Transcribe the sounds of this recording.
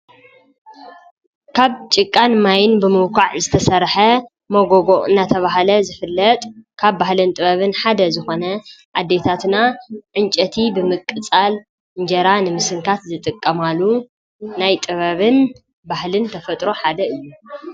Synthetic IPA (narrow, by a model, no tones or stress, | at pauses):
kʰaβt͡ʃʼɪkʼːanmajɪnbɨmɨwkʰaʕzɨt̪ʰɐsɐɾħɐ | moɡoɡoʔɨ̰nːat̪ʰɐβaɦalɐzɨfɨlːɐt̪ʼkʰaβːahlɨnt̪ʼɨβɐβɨnħad̪ɐzɨxo̞nɐʔad̪ːet̪ʰat̪naʕɨnt͡ʃʼɐt̪ʰibɨmɨkʼːɨt͡sʼal | ɨnd͡ʒɐɾanɨmɨsɨŋkʰat̪zɨt̪ʼɨkʼːɐmalːu | najt̪ʼɨβɐβɨn | bahlɨnt̪ʰɐfɐt̪ʼɾo̞ħad̪ɐɨjːu